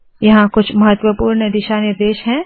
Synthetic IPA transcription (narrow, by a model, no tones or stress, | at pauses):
jɐɦãkʊt͡ʃʰmɐɦət̪wəpuːɾnəd̪ɪʃaːnɪɾd̪eːʃɦɛ̃ː